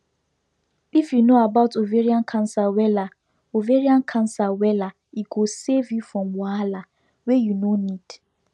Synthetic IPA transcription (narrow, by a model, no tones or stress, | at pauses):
ifjunoabaʊtoveɾiãnkʰãnsawɛla | oveɹiãnkʰãnsawɛla | iɡosevjufɾɔ̃mwaala | wejunonid̥